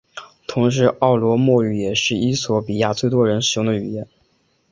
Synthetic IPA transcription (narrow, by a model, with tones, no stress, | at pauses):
t̪ʰʊ˧˥ŋʂ̬ɻ̩˧˥ʔɑ˥˩ʊlwɔ˧˥mwɔ˥˩y˨˩jɛ˨˩ʂɻ̩˥˩i˥swɔ˧˥pi˨˩ja˥˧t͡swe˥˩ɪt̪wɔ˥ɻə˧˥nʂɻ̩˨˩˥jʊ˥˩ŋd̪ə˨y˨˩jɛ˥˩˦n